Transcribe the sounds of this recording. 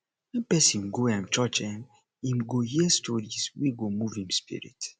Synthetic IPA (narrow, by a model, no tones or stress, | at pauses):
wɛ̃npɛsĩnɡoãmt͡ʃɔt͡ʃɛ̃m | imɡohiɛstʰɔɾiswiɡomuvĩmspḭɹḭt